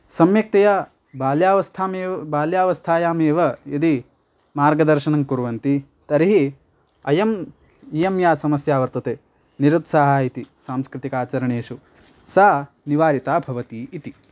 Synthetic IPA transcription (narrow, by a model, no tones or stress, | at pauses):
sɐmjɐk̚t̪ɐja | baːljaːʋɐst̪ʰaːmeːbaːljaːʋɐst̪ʰaːjaːmeːʋɐid̪i | maːɾɡɐd̪ɐɾʃɐnɐŋkuɾʋɐnt̪i | t̪ɐɾiɦi | ɐjɐm | ijɐmjaːsɐmɐsjaːʋɐɾt̪ɐt̪eː | niɾut̪saɦaːit̪isaːmskɾɪt̪ikaːt͡ʃɐɾɐɳeːʃu | saː | niʋaːɾit̪aːbʱɐʋɐt̪iːt̪i